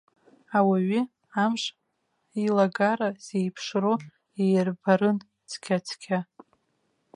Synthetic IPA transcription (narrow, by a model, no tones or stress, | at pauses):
awaɥi | amʂ | ilaɡaɾaz̥ejpʰʂro | ejrbaɾɨn | t͡sʰkʲʰat͡sʰkʲʰa